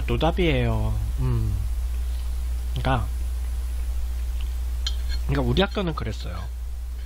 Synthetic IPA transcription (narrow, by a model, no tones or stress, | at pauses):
at͈odabiɦe̞jo | ɯm | ik͈a | kɯɲik͈auɾiɦak̚k͈ʌnɯnkɯɾe̞s͈ʌjo̰